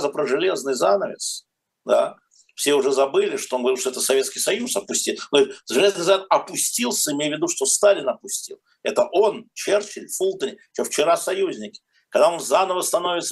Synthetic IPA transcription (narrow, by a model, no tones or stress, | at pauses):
zəpɾəʐɨlʲe̞znɨjzanəvʲɪ̰s | d̪a | fsʲeʊʐɛzɐbɨlʲɪʂt̪oonɡəvɐɾʲiʂt̪oɛt̪əsɐvʲeskʲɪjsɐjusɐpʊsʲtʲit̪noʐɨlʲe̞znɨjzat̪ɐpʊsʲtʲilˠsʲəɪmʲejvʲɪd̪uʂt̪o̞st̪alʲɪnɐpʊsʲtʲilˠ | ɛt̪əʔo̞nt͡ɕert͡ɕɪlʲfulˠt̪ənʲɪt͡ʃoft͡ɕɪɾasɐjuzʲnʲɪkʲɪ̥ | kɐɡd̪ao̞nzanəvəst̪ɐno̞vʲɪt̪sə